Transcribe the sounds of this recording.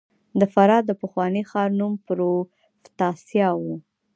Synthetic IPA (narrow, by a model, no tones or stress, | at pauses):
d̪əfaɾɑd̪ːəpəxwɑnixɑɾnumpɾo | ft̪ɑsjɑwu